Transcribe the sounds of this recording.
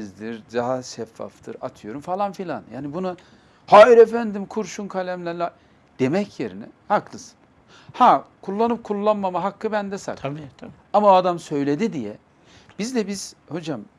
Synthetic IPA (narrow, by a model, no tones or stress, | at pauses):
zd̪iɾd̪aɦaʃɛfːa̰ft̪ʰɯɾat̪ʰɯjo̞ɾumfalˠanfilʲanja̰ːnibuna | hajiɾefænd̪imkʰuɾʃunkʰalʲæmlʲælʲa | d̪̥e̞mɛcʰjeɾinɛ̰haklˠɯsɯ̥n | hakʰulˠːanɯp̚kʰulˠːanmamaɦakːɯbænd̪ɛsa̰k̪ | amaad̪amsø̞jlʲe̞d̪id̪ijɛ | b̥izd̪ɛbiz̥ho̞d͡ʒam